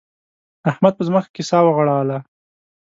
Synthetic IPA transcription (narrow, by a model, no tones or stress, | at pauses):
ahmad̪̚pəzməxḁkɪsɑwaɣaɽɑla